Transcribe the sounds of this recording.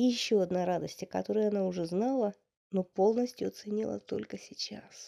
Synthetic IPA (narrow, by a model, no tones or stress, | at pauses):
jɪɕːoɐd̪naɾad̪əsʲtʲkɐt̪o̞ɾəjɐnaʊʐɛznɑlˠə | no̞po̞lˠnəsʲtʲjʊɐt̪sɨnʲilˠə̰t̪o̞̰lʲkəsʲɪt͡ɕa̰s